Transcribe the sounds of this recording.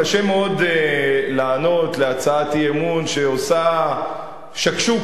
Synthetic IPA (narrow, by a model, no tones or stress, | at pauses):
aʃemeo̞delaːno̞t̪leat͡saatiemunʃeosa | ʃakʃu